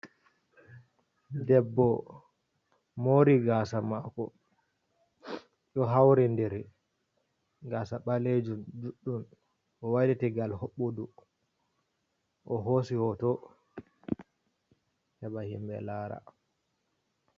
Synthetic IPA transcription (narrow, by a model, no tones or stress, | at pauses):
dɛbːɔ | moɾiɡaːsamakɔ̰ | ɗɔɦawɾɛndɛɾ | ɡaːsaɓaled͡ʒund͡ʒuɗːum | ʔɔwajdɛtɛɡalhoɓːodu | ʔɔɦosihɔtɔ | hɛɓahimbɛ̰laːɾa̰